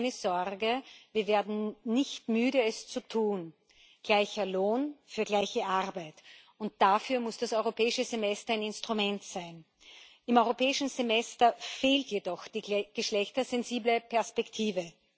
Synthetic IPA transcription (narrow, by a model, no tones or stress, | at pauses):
nəz̥ɔʁɡəviːɐveːɐdn̩nɪçtmyːɾəɛst͡sutʰuːn | ɡ̥laɪçɐloːnfyːɐɡlaɪçəʔaʁbaɪt | ʊnt̚d̥afyːɐmʊsd̥asɔʏʁ̞opʰɛːɪʃəzemɛstɐaɪnɪnstʁ̥umɛntsaɪn | ʔɪmʔɔʏʁopɛːɪʃn̩zemɛstɐfeːltjedɔxd̥iːɡɡ̥əʃlɛçtɐzɛnziːbləpʰɛɐspɛktʰiːvə